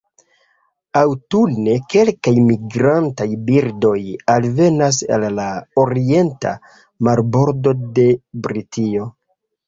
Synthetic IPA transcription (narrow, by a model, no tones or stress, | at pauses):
awtulne̞ke̞lkajmiɡɾantajbiɾdo̞jalve̞nas̬a̰lːaoɾie̞nta̰ | maɾbo̞ɾdo̞de̞bɾitʰio̞